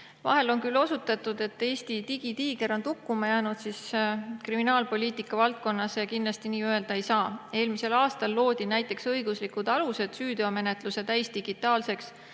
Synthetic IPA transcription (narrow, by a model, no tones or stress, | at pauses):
vɑ̰ɦe̞lo̞nkylːo̞sut̪ːˑɑt̪ːˑud̪̥e̞t̪ːe̞ːst̪it̪iɡ̥it̪iːɡe̞ɾo̞nt̪ukːumɑjæːnud̪siskriminɑːlpo̞lʲiːt̪ˑikːˑɑvɑlt̪̚ko̞nːɑsjɑkinlɑst̪iniːøe̞ld̪̥ɑe̞jsɑːe̞ːlmise̞lɑːst̪ɑlːo̞ːd̪̥inæjt̪ːˑe̞ksɤjɡ̥uslikud̪̥ɑluse̞d̪̥syːd̪oɑme̞ne̞t̪ˑluset̪æjst̪iɡ̥it̪ːˑɑːlse̞ks